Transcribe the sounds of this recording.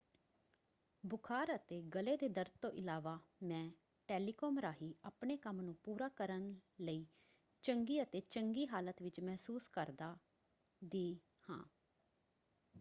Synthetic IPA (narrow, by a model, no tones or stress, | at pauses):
bʊkʰaːɾət̪eːɡəleːd̪eːd̪əɾt̪̚t̪õːʔɪlaːʋaːmɛ̃ː | ʈeːliːkoːmɾaːɦiːʔəːpɳeːkəmnũːpuːɾaːkəɾənləiː | t͡ʃəŋɡiːət̪eːt͡ʃəŋɡiːɦaːlət̪ʋɪt͡ʃmɛɦsuːskəɾd̪aː | d̪iː | hã̰ː